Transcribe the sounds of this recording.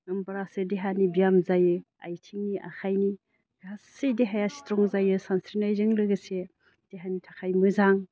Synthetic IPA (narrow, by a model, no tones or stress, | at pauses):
ɯmbaɾasɯdeɦanibijamzajɯ | a̰jtʰiŋniʔa̰kʰajni | ɡassedeɦajasi̥tɾɔŋzajɯsansɾinajzɯŋlɯɡɯse | d̥eɦanitʰakʰajmɯzaŋ